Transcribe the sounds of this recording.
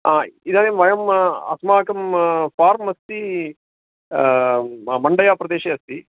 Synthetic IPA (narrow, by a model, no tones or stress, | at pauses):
aːid̪aːneːmʋɐjɐmɐ̰smaːkɐmpaːɾmɐst̪i | mɐɳɖɐjaːpɾɐd̪eːʃeːɐst̪i